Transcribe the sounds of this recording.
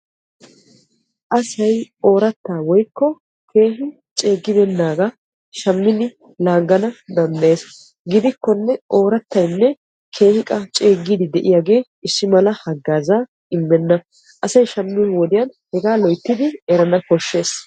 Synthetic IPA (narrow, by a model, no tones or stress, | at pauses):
ʔɐsɐjo̞ːɾɐt̪ːaːwɔjkːɔ | kʰe̞ːɦɪ | t͡ʃʼe̞ːɡːɪbɛnːaːɡɐ | ʃɐmːɪnɪ | laːɡːɐnɐd̪ɐnd̪ɐʔe̞ːs | ɡɪd̪ɪkːɔnːɛʔo̞ːɾɐt̪ːɐjnːɛ | kʰe̞ːhɪkʼɐt͡ʃʼeːɡːiːd̪ɪd̪ɛʔɪjaːɡe̞ː | ɪsːɪmɐlɐhɐɡːaːzaː | ɪmːɛnːɐ | ʔɐsɐjʃɐmːɪnwɔd̪ɪjɐnhɛɡaːlɔjt̪ːɪd̪ɪɛɾɐnɐkɔʃːe̞ːs